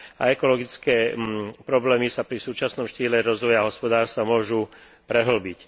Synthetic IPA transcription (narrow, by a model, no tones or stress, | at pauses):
a̰ɛkɔlɔɡit͡skɛːpɾɔblɛːmisapɾisuːt͡ʃasnɔmʃtciːlɛɾɔzʋɔjaɦɔspɔd̪aːɾst̪amʊɔʒu | pɾɛɦl̩bic